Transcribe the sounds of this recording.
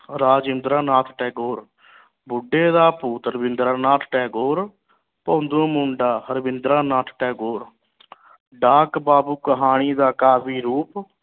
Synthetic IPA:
ɾaːd͡ʒɪ̃nd̪ɾaːnaːt̪ʰʈɛːɡoːɾ | bʊɖːeːd̪aːpuːt̪əɾbɪnd̪ɾaːnaːt̪ʰʈɛːɡoːɾ | põːnd̪õːmʊɳɖaːhəɾbɪnd̪ɾaːnaːt̪ʰʈɛːɡoːɾ | ɖaːkbaːbuːkəɦaːɽ̃iːd̪aːkaːbiːɾuːp

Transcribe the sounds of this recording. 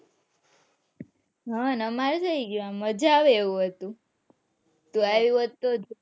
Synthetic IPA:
ɦanəmaɾsaiɡiʋaməd͡ʒaʋeʋũɦət̪ũ | t̪ũaʋiʋət̪ːod͡ʒ

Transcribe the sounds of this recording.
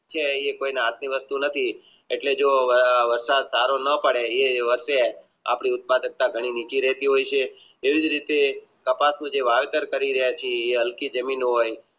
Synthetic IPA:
t͡ʃʰeekoineɦat̪miʋəst̪unət̪ʰi | eʈled͡ʒoʋəɾsad̪saɾonəpəɽeeʋəɾʃe | a̰pɽ̃iʊt̪̚pad̪ək̚t̪aɡʱəɽ̃init͡ʃiɾɛɦt̪iɦojt͡ʃʰeː | ʋid͡ʒɾit̪ekəpasnũd͡ʒeʋaʋet̪əɾkəɾiɾəɦjat͡ʃʰeeɦəlkid͡ʒəminɦoj

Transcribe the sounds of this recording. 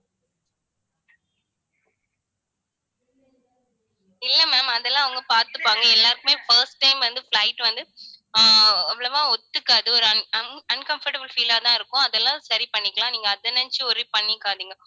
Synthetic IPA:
ɪlːɐmɛːmɐðɛlːãːɐʋɐŋɡɐpaːɾt̪ɯpːaːŋɡɐɛlːaːɾɯkːɯmeːfɐɾsʈːɐɪmʋɐnd̪ɯfɭɐɪʈʋɐnd̪ɯ | ɛʋːɐɭɐʋãːɔt̪ːɯkːɯɐðɯɔɾɐɐɐnkɐmfɐɾʈɐbɪlfiːlaːt̪ãːɪɾɯkːʊ̃ɐðɛlːãːsɐɾipɐɳːɪkːɐlãːniːŋɡɐːðɐnɐnt͡ʃɯɔɾipɐɳːɪkːaːðiːŋɡɐ

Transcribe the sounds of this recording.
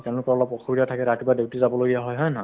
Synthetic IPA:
tɛʊ̃lʊkpɔlɔpɔkʰɔbiɾatʰakɛɾatibadewtizabɔloɡijaɦɔjɦɔjna

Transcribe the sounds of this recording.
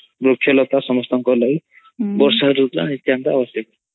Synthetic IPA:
brokʰːjʌlʌt̪asʌmʌst̪ʌŋkʌlaj | bʌrsaɦʌɾukɾa̰nit̪jant̪aːbʌsjʌk

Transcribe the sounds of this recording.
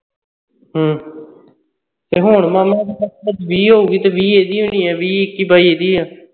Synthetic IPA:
ɦə̃ː | t̪eːɦʊɳmaːmãːd̪iːbəsbəd͡ʒʋiːɦoːuːɡiːt̪eːʋiːeːd̪iːɦʊ̃ːniːɛːʋiːɪkːiːbaːiːeːd̪iːɦãː

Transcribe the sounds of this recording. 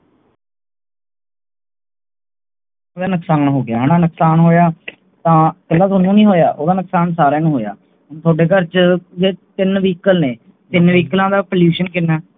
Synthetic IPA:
oːd̪aːnəksaːnɦoːɡɪjaːɦñaːnəksaːnɦoːjaː | t̪ãːkəlːaːt̪ʰoːnũːnĩːɦoːja̰ːʔoːd̪aːnəksaːnsaːɾãːnũːɦoːja̰ː | t̪ʰoːɖeːkəɾt͡ʃd͡ʒeːt̪ɪnʋiːkəlneː | t̪ɪnʋiːklãːd̪aːpəljuːʃənkɪnːaː

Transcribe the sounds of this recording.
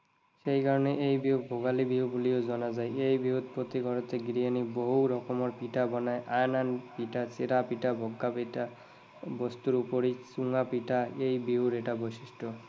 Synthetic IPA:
ʃejkaɾɔneʔejbiubʱoɡalibiɦubuliozɔnazajejbiɦud̪pot̪iɡʱɔɾɔt̪eɡɾianiboɦuɾɔkɔmɔɾpiʈabɔnaeʔajnanpiʈat͡ɕeɾapiʈabʱɔɡːapiʈa | bɔst̪uɾupoɾisuŋapiʈaejbiɦuɾeʈabojsiʃʈʰɔ

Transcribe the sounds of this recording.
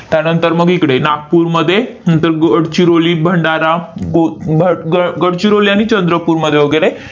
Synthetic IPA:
t̪janənt̪əɾməɡikɽenak̚puːɾməd̪ʱːjenənt̪əɾɡəɽt͡ɕiɾoliːbʱəɳɖaɾaobʱəɡəɽt͡ɕiɾoliaɽ̃it͡ɕənd̪ɾəpuːɾməd̪ʱːjeʋəɡəɾe

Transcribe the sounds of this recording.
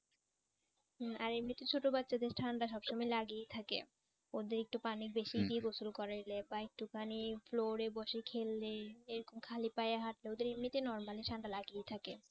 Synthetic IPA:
aɾemnit̪it͡ɕʰoʈobatːɕad̪eɾʈʰaɳɖaʃ̬ɔbʃomajlaɡijt̪ʰakḛ | od̪eɾek̚ʈupanik̚beʃiɖieɡosulkɔɾailebaek̚ʈukʰanifloɾebɔʃekʰelːeeɾokomkʰalipajaɦaʈleod̪eɾemnit̪inɔɾmaliʈʰaɳɖalaɡijt̪ʰake

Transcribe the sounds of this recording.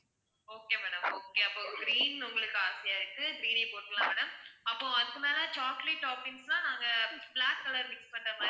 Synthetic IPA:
oːkeːmɛːɽɐmoːkeɐpːõɡɾiːnʊŋɡɐɭɯkːɯaːɾsɪjaːɪɾɯkːɯɡɾiːnipoːʈːkɐlãːmɛːɽɐmɐpːõɐðɯkːɯmeːlɐt͡ʃaːkleːʈːaːpɪnslãːnãːŋɡɐblaːkːɐlɐɾmɪkspɐɳːɐma

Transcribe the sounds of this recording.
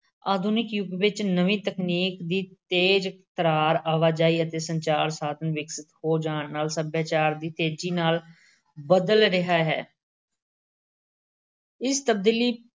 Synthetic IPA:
aːd̪ʱunɪkjʊɡʋɪt͡ʃnəʋĩːt̪əkniːkd̪iːt̪eːd͡ʒkt̪əɾaːɾaːʋaːd͡ʒaːiːət̪eːsəɲt͡ʃaːɾsaːd̪ənʋɪksɪt̪hoːd͡ʒaːɳnaːlsəbjaːt͡ʃaːɾd̪iːt̪eːd͡ʒiːnaːl | bəd̪əlɾɪɦaːɦɛ̰ː | ɪst̪əb̚d̪iːliː

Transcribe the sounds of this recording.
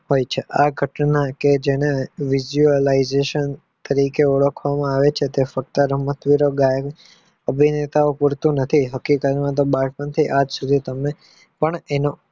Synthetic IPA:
ɦojt͡ʃʰeʔaɡʱəʈnaked͡ʒeñeʋizuəlaizeʃən | t̪əɾikeuɭəkʰʋamãaʋet͡ʃʰet̪efək̚t̪əɾəmət̪ʋiɾoɡajk | əbʱinet̪aopuɾt̪ũnət̪ʰiɦəkikəɾimãt̪̬obaɾpənt̪ʰiʔad͡ʒsud̪ʱit̪əme | pəɳeno

